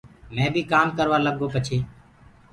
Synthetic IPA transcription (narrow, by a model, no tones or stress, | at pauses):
mɛ̃ːbʱiːkaːmkəɾʋaːləɠʱoːpət͡ʃʰeː